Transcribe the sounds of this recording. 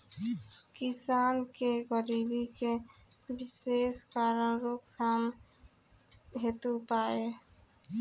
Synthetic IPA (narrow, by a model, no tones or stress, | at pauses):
kɪsaːnkeɡəɾibike | wɪseːskaːɾənɾoːksʰam | ɦeːt̪upaːe